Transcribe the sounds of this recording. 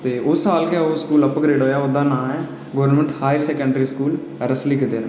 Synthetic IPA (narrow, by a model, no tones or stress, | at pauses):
t̪eːʊsːaːlkeoːskuːləpɡɾeːɖɦoːjaːʊd̪ãːnãːɛ̃ | ɡəʋəɾnmə̃ɳʈhaːjɾsɛːkə̃ɳɖɾiːskuːl | ɾəslikɪd̪eːn